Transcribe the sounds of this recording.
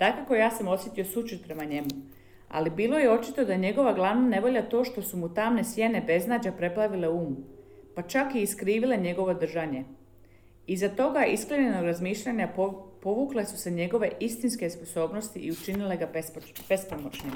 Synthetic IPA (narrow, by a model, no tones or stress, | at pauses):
d̪̥akako̞jaːsamo̞sje̞t̪io̞sut͡ʃut̪pɾe̞maɲe̞mu | a̰libiːlo̞jeo̞t͡ʃit̪o̞d̪ajeɲe̞ɡo̞ʋaɡlˠaʋnane̞ʋo̞ʎat̪o̞ːʃt̪o̞sumut̪amne̞sjene̞be̞znaːd͡ʑapɾe̞plˠaʋile̞uːmpat͡ʃakiːskɾiːʋile̞ɲe̞ɡo̞ʋo̞d̪r̩ʒaɲe̞ | izat̪o̞ɡaiskleɲenoɡɾazmiːʃʎaɲappo̞ʋuːkle̞su̥se̞ɲe̞ɡo̞ʋe̞ʔist̪inske̞spo̞so̞ːbno̞st̪iʔiut͡ʃinile̞ɡap | b̥e̞spomot͡ʃɲim